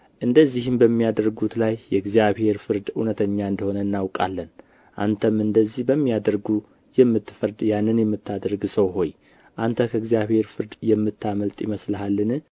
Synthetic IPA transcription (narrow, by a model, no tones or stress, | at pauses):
ʔɨnd̪əzːihɨmbəmːijad̪əɾɡut̪lajːɛɡzijaβhe̞ɾfɨɾd̪unət̪ʰəɲːaɨnd̪əho̞nəɨnːawkʼa̰lːən | ʔa̰nt̪ʰəmɨnd̪əzːihbəmːijad̪əɾɡu | jɛmːɨt̪ːɨfəɾd̪janːɨnjɛmːɨt̪ʰːad̪əɾɡsəwɦo̞j | ʔant̪ʰəkʰəɡzijaβhe̞ɾfɨɾd̪jɛmːɨt̪ʰːaməlt̪ʼjɪməsləɦalːɨnɨ